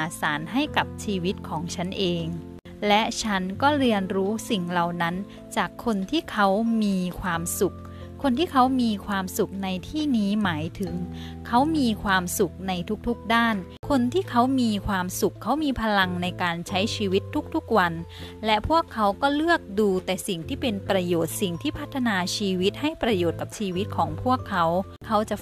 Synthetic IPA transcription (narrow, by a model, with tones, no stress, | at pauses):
ʔaː˨˩saː˩˦nɦa˥˩jka˨˩p̚t͡ɕʰiː˧wi˦˥t̪̚kʰɔː˩˦ŋt͡ɕʰa˦˥nʔeː˧ŋ | lɛ˦˥t͡ɕʰa˦˥nkɔː˥˩ɾi˧ənɾuː˦˥si˨˩ŋla˨˩wna˦˥n | t͡ɕaː˨˩kʰːo˧nt̪ʰiː˥˩kʰa˦˥wmiː˧kʰwaː˧msu˨˩k̚ʰː | o˧nt̪ʰiː˥˩kʰa˦˥wmiː˧kʰwaː˧msu˨˩k̚na˧jt̪ʰiː˥˩niː˦˥maː˩˦jt̪ʰɯ˨˩˦ŋ | kʰa˦˥wmiː˧kʰwaː˧msu˨˩k̚na˧jt̪ʰu˦˥k̚t̪ʰu˦˥k̚daː˥˩n | kʰo˧nt̪ʰiː˥˩kʰa˦˥wmiː˧kʰwaː˧msu˨˩kʰːa˦˥wmiː˧pʰa˧la˧ŋna˧jkaː˧nt͡ɕʰa˦˥jt͡ɕʰiː˧wi˦˥t̪ʰːu˦˥k̚t̪ʰu˦˥k̚wa˧nlɛ˦˥pʰu˥˩əkʰːa˦˥wkɔː˥˩lɯ˥˩ək̚duː˧t̪ɛː˨˩si˨˩ŋt̪ʰiː˥˩pe˧npɾa˧joː˨˩t̪̚si˨˩ŋt̪ʰiː˥˩pʰa˦˥t̪ʰːa˧naː˧t͡ɕʰiː˧wi˦˥t̪̚ha˥˩jpɾa˧joː˨˩t̪̚ka˨˩p̚t͡ɕʰiː˧wi˦˥t̪̚kʰɔː˩˦ŋpʰu˥˩əkʰːa˦˥w | kʰa˦˥wt͡ɕa˨˩